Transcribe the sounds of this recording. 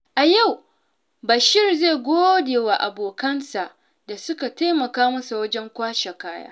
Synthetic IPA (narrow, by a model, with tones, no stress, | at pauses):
ʔa˨ja˦˨w | ba˨ʃɪ˦˨rzeː˦˨ɡʷoː˦deː˨wa˨ʔa˨boː˨kɐ˦nsa˨ʔ | da˨sʊ˦ka˨taː˦mɐ˨kaː˦mɐ˦su˨wɐ˦d͡ʒɛ˦ŋkʷaː˦ʃa˨kaː˦ja̰ː˦